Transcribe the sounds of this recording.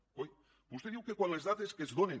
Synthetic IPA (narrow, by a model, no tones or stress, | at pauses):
oj | bust̪eðiwkekwanlezðat̪eskezðone